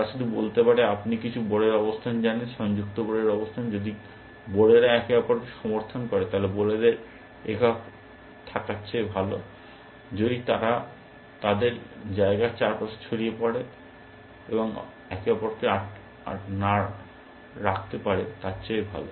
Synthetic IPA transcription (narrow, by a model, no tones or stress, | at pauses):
at͡ɕʰod̪ibolt̪epaɽeapnikit͡ɕʰuboɽeɾɔbost̪ʰand͡ʑanenʃɔŋd͡ʑuk̚t̪oboɽeɾɔbost̪ʰand͡ʑod̪i | boɽeɾaɛkeapoɾʃɔmoɾt̪ʰonkɔɾet̪aɦleboled̪eɾ | ekak | t̪ʰakatːɕʰajbʱalo | d͡ʑod̪it̪aɾa | t̪ad̪eɾd͡ʑaeɡat͡ɕaɾpast͡ɕʰoɽijepɔɽe | ḛboŋ | ɛkeapoɾkeaʈ | a̰ʈnaɾ | ɾakʰt̪epaɽet̪atːɕajbʱa̰lo